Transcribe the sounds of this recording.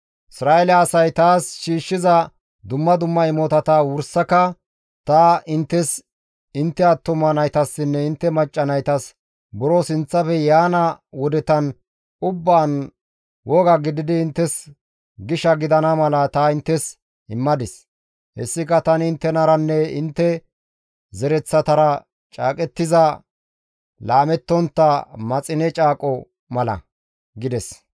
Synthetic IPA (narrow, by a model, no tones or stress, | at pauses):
ʔɪsɾaːɛlɛːsɐjt̪aːsʃiːʃːɪzɐ | d̪ʊmːɐd̪ʊmːɐɪmɔt̪ɐt̪ɐwʊɾsːɐkɐ | t̪ɐɪnt̪ːɛs | ɪnt̪ːɛɐt̪ːʊmɐnɐjt̪ɐsːɪnːɛɪnt̪ːɛmɐt͡ʃʼːɐnɐjt̪ɐs | bɔɾosɪnt͡sːɐfɛjaːnɐwɔd̪ɛt̪ɐn | ʊbːaːn | wɔɡɐɡɪd̪ɪd̪ɪːnt̪ːɛs | ɡɪʃɐɡɪd̪ɐnɐmɐlɐt̪ɐɪnt̪ːɛs | hɪmːɐd̪ɪs | hɛ̰sːɪkɐt̪ɐnɪɪnt̪ːɛnɐɾɐnːɛɪnt̪ːɛ | zɛɾɛt͡sːɐt̪ɐɾɐ | t͡ʃʼaːkʼɛt̪ːɪzɐ | laːmɛt̪ːɔnt̪ːɐmɐt͡sʼɪnɛt͡ʃʼaːkʼɔ | mɐlɐ̰ | ɡɪd̪ɛs